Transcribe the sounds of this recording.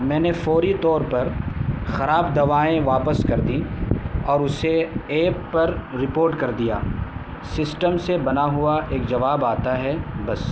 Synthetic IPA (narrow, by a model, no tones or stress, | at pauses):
mɛ̃ːnefɔːɾit̪ɔːɾpɐɾxɐɾaːbd̪ɐʋaːẽʋaːpəskɐɾd̪ĩɔːɾʊseeːpːɐɾːɪpoːɾʈkɐɾd̪ija̰ː | sɪsʈəmsebɐnaɦuaʔeːk̚d͡ʒɐʋaːbaːt̪aɦɛbɐs